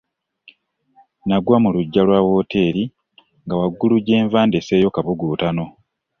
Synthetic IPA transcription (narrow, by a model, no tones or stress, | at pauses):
naɡwamuluɟːalwaːwo̞ːte̞ːɾi | ŋɡawaɡːuluɟe̞ːɱvaːndese̞ːjo̞kaβuɡuːtano̞